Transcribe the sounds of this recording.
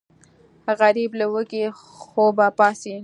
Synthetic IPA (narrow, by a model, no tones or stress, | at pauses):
ɣaɾiblawəki | xobapɑsi